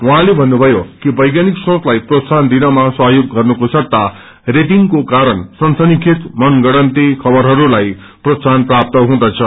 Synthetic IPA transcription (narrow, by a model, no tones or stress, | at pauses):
wuɦãlebʱʌnːubʱʌjokibʌjɡjaniksõt͡slajprosand̪inʌmasʌɦjoɡːʌrnukosʌrt̪a | reʈiŋkokaɾʌnsʌnsʌnikʰit̪mʌnɡʌɽʌnt̪ikʰʌbʌɾɦʌɾulaj | prosanprap̚t̪ʌɦũd̪ʌt͡sʰʌ